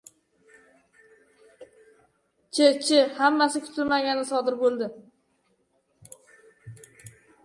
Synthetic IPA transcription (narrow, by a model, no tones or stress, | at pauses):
t͡ʃʰɪt͡ʃʰɪhamːasɪkʲʰʊ̥t̪ʰɪlmaɡʲanɪsɒd̪ɪɾbolˠd̪ɪ